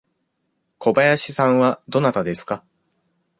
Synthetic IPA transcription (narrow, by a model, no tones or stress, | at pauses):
ko̞bajaɕisãɰ̃βad̪o̞nat̪ad̪e̞sɨ̥ka